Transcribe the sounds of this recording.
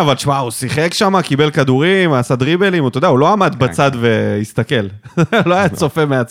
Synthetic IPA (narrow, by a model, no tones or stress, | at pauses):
avalʃmausiχekʃamakibe̞lkad̪uʁimasad̪ʁibelimut̪od̪eaulo̞amad̪batt͡sad̪ve̞ist̪ake̞lloajat͡so̞femeat͡s